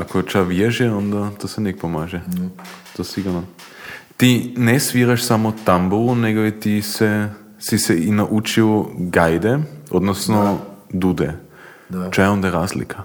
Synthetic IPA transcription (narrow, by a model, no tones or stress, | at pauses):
akot͡ʃaʋjɛʒɛond̪at̪osɛnɛk̚pomaːʒɛ | t̪osiɡuɾno | t̪inɛsʋiɾaʃsamot̪ambulunɛɡoit̪isɛ | sisɛinaʔut͡ʃiwɡajd̪ɛod̪nosnod̪ud̪ɛ | t͡ʃajond̪aɾazlḭkʰa